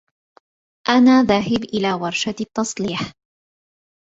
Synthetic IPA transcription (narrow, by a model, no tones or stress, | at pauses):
ʔanaːðaɦɪbʔɪlaːwɑɾˤʃat̪ːɑsˤliːħ